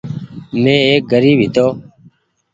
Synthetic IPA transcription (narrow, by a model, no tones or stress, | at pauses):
mẽːeːk̚ɡəɾiːbʱɦɪt̪oː